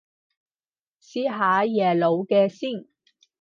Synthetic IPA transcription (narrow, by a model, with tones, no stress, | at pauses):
siː˥ɦaː˨˥jɛː˨˩lo˨˧wkɛː˧siː˥˩n